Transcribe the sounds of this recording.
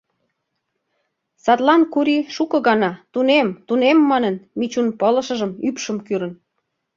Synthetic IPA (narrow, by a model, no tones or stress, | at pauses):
sɑt̪lɑnkuɾiʃukɤ̆ɣɑnɑt̪unemt̪unemːɑnənmit͡ɕunpələ̆ʃə̆ʒəmypʃəmkyɾə̆n